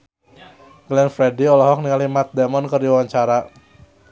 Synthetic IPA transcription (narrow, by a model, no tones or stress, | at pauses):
ɡlɛnfɾɛdiɔlɔɦɔk̚niŋalimat̪̚dɛmɔnkərdiwawaɲt͡ʃaɾa